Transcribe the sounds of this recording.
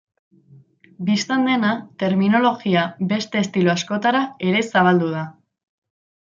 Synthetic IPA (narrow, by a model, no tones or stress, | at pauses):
bist̪and̪e̞nat̪e̞ɾmino̞lo̞ɣiabe̞st̪e̞ːst̪iluasko̞t̪aɾae̞ɾe̞saβ̞ald̪uð̞a